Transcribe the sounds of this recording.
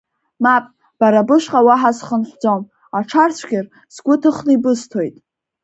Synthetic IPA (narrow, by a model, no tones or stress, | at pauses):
mapʼ | b̥aɾabɨʃqʼawaħasχənħʷd͡zom | aʈ͡ʂʰart͡ɕʷʰɡʲɪr | sɡʷʊtʰɨχnɨibɨstʰo̞jtʼ